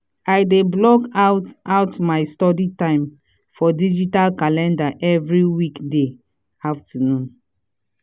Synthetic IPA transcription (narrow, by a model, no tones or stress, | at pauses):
aɪdeblɔkaʊtaʊtmaɪstɔditãɪ̃m | fɔdid͡ʒitalkalɛ̃ndaʔɛvɹiwikde | aftanũn